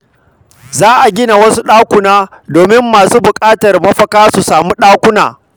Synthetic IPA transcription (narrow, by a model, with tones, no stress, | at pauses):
zaː˦ʔa˨ɡʲɪ˦na˨wɐ˦su˦ɗaː˦kʷʊ˨naː˦ | doː˨mɪ˦mːaː˨suː˦bʊ˨kʼaː˦tɐ˨rmɐ˦ɸɐ˦kaː˦su˨saː˨muː˦ɗaː˦kʷʊ˦na̰ː˨